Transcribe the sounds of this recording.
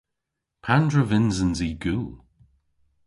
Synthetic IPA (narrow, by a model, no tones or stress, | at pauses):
pʰandɹəvɪnzənziɡuːlˠ